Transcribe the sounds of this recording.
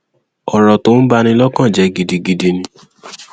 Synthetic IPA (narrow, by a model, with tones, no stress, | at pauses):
ɔ˨ɾɔ˨to˨˦n̩˦ba˧nĩ˧˦lɔ˦kã˦˨d͡ʒɛ˨˧˦ɡi˧di˧ɡi˧de˧nĩ˧˦